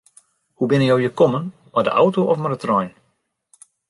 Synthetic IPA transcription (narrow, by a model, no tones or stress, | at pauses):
hubɪnəjowjəkɔmən | mɔdə̰ʔa̰wtoʔɔfmardətrɔjn